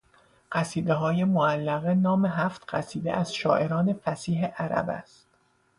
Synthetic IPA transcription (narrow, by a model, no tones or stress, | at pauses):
ɢ̥æsiːd̪eɦɒːjemoælːæɣenɒːmeɦæft̪ɢæsiːd̪ḛʔæz̥ʃɒ̰ːʔe̞ɾɒːne̞fæsiːɦeʔæɾæ̰bæ̰st̪